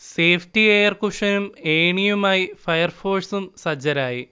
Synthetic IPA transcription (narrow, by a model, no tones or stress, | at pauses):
seːfʰtieːjɐrkuʂɐnumeːɳijumaːjifɐjɐrfo̞ːrsumsɐd͡ʑɐɾaːji